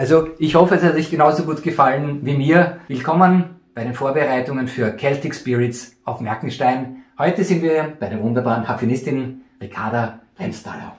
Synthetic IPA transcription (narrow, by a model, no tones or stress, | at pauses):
ʔalzoɪçhɔfəɛshatzɪçɡ̥ənaʊzoɡuːtɡ̥əfalənviːmiːɐvɪlkʰɔmənb̥aɪɾeːnfoːɐbəʁaɪtʊŋənfyːɐkʰɛltɪkspɪʁɪtsʔaʊfmɛɐkŋ̩ʃtaɪnhɔʏtəzɪntviːɐb̥aɪɾeːɐvʊndɐbaːʁənkʰafjonɪstɪnʁɪkʰaɐdɐʁɛnsta̰ːla̰